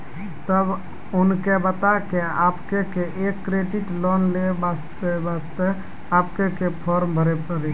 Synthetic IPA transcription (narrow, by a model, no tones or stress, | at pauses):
t̪əb | unkebət̪akeapkekeʔekːɾeɖiʈlɔnlebast̪bast̪ə | apkekepʰɔɾmbʱəɾɛpəɾe